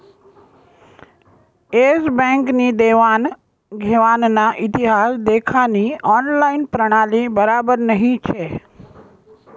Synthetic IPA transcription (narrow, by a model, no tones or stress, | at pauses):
esbɛ̃ŋknid̪eʋan | ɡʱeʋannaʔɪt̪iɦasd̪ekʰaniɔnlainpɾəɽ̃alibəɾabəɾnəɦĩt͡ʃʰe